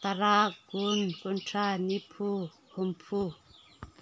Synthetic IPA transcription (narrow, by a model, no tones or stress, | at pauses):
t̪aɾaɡunkunʈ͡ʂanipʰu | humpʰu